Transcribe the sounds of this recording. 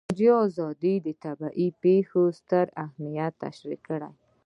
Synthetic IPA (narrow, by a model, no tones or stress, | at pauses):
d͡ʒiɑzɑd̪id̪ət̪abaʔipexost̪əɾahmijat̪ːa̰ʃɾikːəɽa̰j